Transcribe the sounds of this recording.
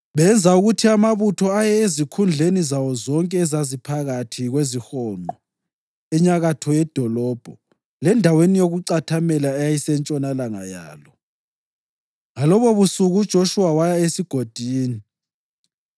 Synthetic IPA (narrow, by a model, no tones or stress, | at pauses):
βɛnd͡zʱauɣutʰiamaβutʰɔajɛezikʰund͡ɮʱenizawɔzɔŋkʼɛːzazipʰaɣatʰiɣwezixɔŋ͡ǃɔ | ɛɲaɣatʰɔjɛd̥ʱɔlɔːb̥ʱɔ | lɛndʱawenijoɣuǀatʰamɛlaɛjajisɛnt͡ʃʼɔnalaŋa̰ja̰ːlɔ | ŋalɔβɔβusuɣud̥ʒ̥ʱoʃuwawajaesiɡ̥ʱod̥ʱiːni